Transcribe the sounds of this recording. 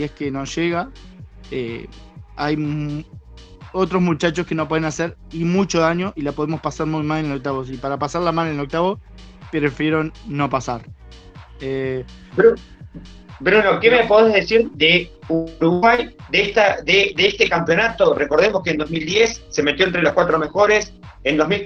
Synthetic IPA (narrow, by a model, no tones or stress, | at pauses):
ieskenoʃeɣa | ḛ | aj | ot̪ɾo̞zmut͡ʃat͡ʃo̞skenopweðenaseɾimut͡ʃoðaɲo̞ʔilapo̞ð̞emo̞spasaɾmujmalenelok̚t̪aβ̞o̞s̬ipaɾapasaɾlamalenelok̚t̪aβos | pɾefjeɾonːo̞pasaɾ | ebɾu | bɾunokemepoðeɦðesiɾd̪euɾuɣwajd̪eest̪ad̪ed̪eest̪ekampjo̞nat̪o̞reko̞ɾðemoskeːnd̪o̞zmild̪jesːe̞me̞t̪joent̪ɾelohkwat̪ɾo̞me̞xo̞ɾesend̪ozmil